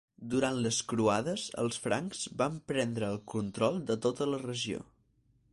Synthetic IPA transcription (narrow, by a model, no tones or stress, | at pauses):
d̪uɾant̪ləskɾuaðəzə̰lˠsfɾa̰ŋkz̥bampɾɛnd̪ɾəːlˠkunt̪ɾɔlˠd̪ət̪ot̪ələrəʒio̰